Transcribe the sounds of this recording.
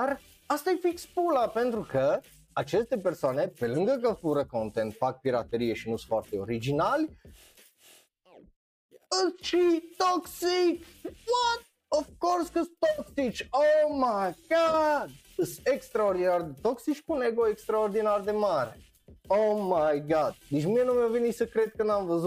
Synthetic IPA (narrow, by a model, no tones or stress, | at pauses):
ar | ast̪ajfikspulape̞nt̪ɾukə | at͡ʃe̞st̪e̞persoane̞pe̞lɨŋɡək̬əfuɾəko̞nt̪ent̪fak̚piɾat̪e̞ɾije̞ʃinusfoart̪e̞o̰ɾid͡ʒinalʲ | ɨʃit̪oksikwat̪ | ofkorskəst̪oksit͡ʃomajɡ̥ad̪ | əsekst̪ɾaord̪inard̪et̪oksit͡ʃʲkuneɡoekst̪ɾaord̪inard̪emaɾe | omajɡad̪̥̚d̪et͡ʃmienumawvenisəkɾed̪̚kənamvəzu